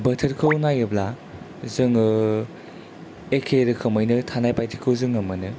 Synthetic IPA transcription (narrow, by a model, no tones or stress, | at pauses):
bɐtʰɐɾkʰɯwnajɯbla | zɯŋɯ | ekʰeɾɯkʰɯmojnɯtʰanajpajtʰi̥kʰɯwzɯŋɐmɐnɯ